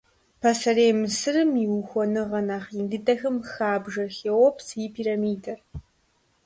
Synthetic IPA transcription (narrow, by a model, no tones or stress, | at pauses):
pʰɐsɐreːmɨsɨrɨmiwuxʷɔnɨʁɐnaːχindɨdɐxɨmxaːbʒɐxeːwɔpsipʰiːɾɐmiːdɐr